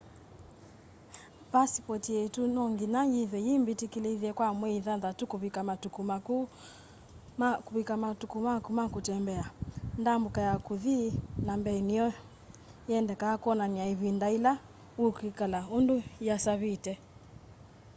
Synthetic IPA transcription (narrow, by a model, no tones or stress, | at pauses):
pasi̥pɔtiɛtunɔŋɡinajiðɛjimbitikiliðiɛkwamwɛiðaðatukuβikamatukumaku | akuβikamatukumakumakutɛmbɛandambukajakuðinambɛnijɔ | jɛndɛkaakuɔnaniaiβindaila | ukikalaundujasaβitɛ